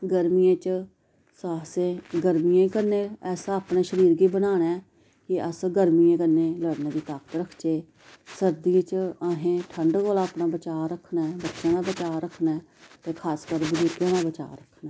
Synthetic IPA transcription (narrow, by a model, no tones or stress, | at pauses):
ɡəɾmijẽːt͡ʃ | saːsẽːɡəɾmijãːiːkəɾneːɛːsaːpneːʃəɾiːɾɡiːbənaːnɛː | kɪəsɡəɾmijẽːkəɾneːləɽnẽːd̪iːt̪aːkə̥t̪ɾəkʰd͡ʒeː | səɾd̪ijẽːt͡ʃaɦẽːʈʰəɳɖɡoːlaːpnãːbət͡ʃaːɾəkʰnɛːbətːʃãːd̪aːbət͡ʃaːɾəkʰnɛː | t̪eːkʰaːskəɾbʊd͡ʒuɾɡjãːd̪aːbət͡ʃa̰ːɾəkʰnɛː